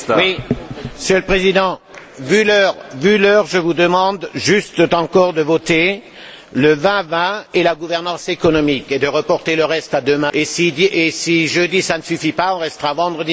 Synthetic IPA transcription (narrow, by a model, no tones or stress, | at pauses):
wisjəlpχezid̪ɑ̃ | vylœʁvylœʁʒəvud̪əmɑ̃d̪ʒyst̪t̪ɑ̃kɔʁd̪əvɔt̪e | ləvɛ̃vɛ̃elaɡuvɛʁnɑ̃sekɔnɔmiked̪əʁəpɔʁt̪eləʁɛst̪ad̪əmɛ̃esid̪iesiʒød̪isanəsyfipaɔ̃ʁɛst̪əʁavɑ̃d̪ʁəd̪i